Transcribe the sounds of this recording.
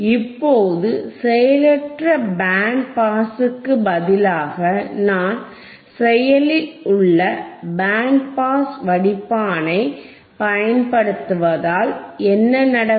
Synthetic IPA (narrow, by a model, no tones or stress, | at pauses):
ɪpːoːðɯsɛjɐlɛʈrɐbaːɳ̚paːsɯkːɯbɐðɪlaːɣɐnaːn | sɛjɐlɪlʊɭːɐbaːɳpaːsʋɐɽɪpːaːnɐɪ | pɐjɐnpɐɽɯt̪ːɯʋɐðaːlɛnːɐnɐɽɐ